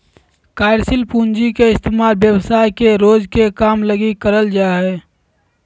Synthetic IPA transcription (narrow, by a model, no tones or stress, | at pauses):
kaːɪɾsɪlpund͡ʒikeɪst̪eːmaːlbjəwsaːjkeɾoːd͡ʒkekaːmləɡikəɾəld͡ʒaːɦɛː